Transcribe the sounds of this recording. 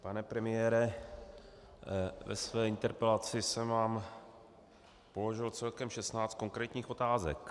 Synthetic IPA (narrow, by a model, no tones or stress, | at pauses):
panɛpɾɛmɪjɛːɾɛ | vɛ̰svɛːʔɪnt̪ɛɾpɛlat͡sɪsɛmvaːm | po̞lo̞ʒɪlt͡sɛlkɛmʃɛst̪naːt͡st̪̚ko̞ŋkɾɛːt̪ɲiːxo̞t̪aːzɛ̰k